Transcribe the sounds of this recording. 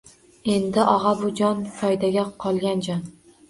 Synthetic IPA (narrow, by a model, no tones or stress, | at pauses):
e̞nd̪ɪʔɒʁɑbʊd͡ʒɒnfɒjd̪aɡʲaqʰɒlˠɡʲand͡ʒɒn